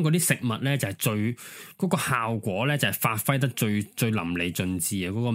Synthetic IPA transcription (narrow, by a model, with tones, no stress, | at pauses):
ŋkɔ˨˧t̪i˥sɪ˨k̚mɐ˨t̚lɛː˥t͡sɐ˨whjt͡ʃɵ˧ɥkɔː˨˥kɔː˧haː˨˩wkʷɔː˨˥lɛː˥t͡sɐ˨whɐ˨˩jfaː˧t̚fɐ˥jt̪ɐ˥k̚t͡ʃɵ˧ɥt͡ʃɵ˧ɥlɐ̰˨˩mle˨jt͡sɵ˧nt͡siː˨˧aː˧kɔː˨˥kɔː˧